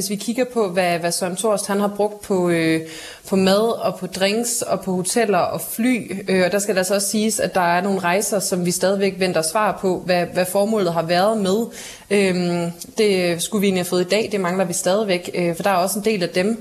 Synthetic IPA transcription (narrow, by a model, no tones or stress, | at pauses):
e̝sʋikʰiɡ̥ɐpʰɒ̽ʋæʋæsɒnt͡sʰo̝ɐsd̥hænhɑ̈b̥ʁɔ̽ɡ̥̚d̥̚pʰɒ̽ø | pʰɒ̽mæð̞ˠɒ̽pʰɒ̽d̥ʁeŋsɒ̽pʰɒ̽ho̝t͡sʰel̰ɐʔɒ̽fly̰ːøɒ̽d̥ɑ̈sɡ̥æd̥eælsɒ̽ɒ̽ssiːsæd̥ɑ̈æɐno̝ːn̩ʁɑ̈ɪsɐsɒ̽mʋisd̥ɛːð̞ˠiʋeɡ̥ʋen̰d̥ɐsʋɑ̰̈ːpʰɒ̽ʋæʋæfɒːmɔ̰̽ːlð̩ˠɦɑ̈ʋæɐð̞̩ˠmeð̞ˠ | øm | d̥e̝sɡ̥uʋie̝̰ːnlihæfɔ̽ːð̩ˠid̥ɛ̰ːd̥e̝mɑ̈ŋlɐʋisd̥ɛːð̞ˠiʋeɡ̥øfɒ̽d̥ɑ̈æɐɒ̽səend̥e̝̰ːlæd̥em